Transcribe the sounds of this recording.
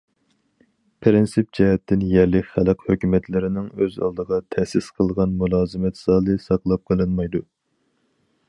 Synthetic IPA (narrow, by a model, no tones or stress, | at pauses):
pʰɾɪnsɨp̚d͡ʒɛɦɛt̪ʰːɪnjɛɾlɪkʲχælˠɨqhøkʲymɛt̪lɪɾɪnɪŋøzɑ̰lˠd̪əʁɑt̪ʰɛsɪsqʰəlˠʁɑnmulˠɑːzɨmɛt̪sɑːlˠɨsɑqlˠɑp̚qʰəlˠɨnmɑjd̪u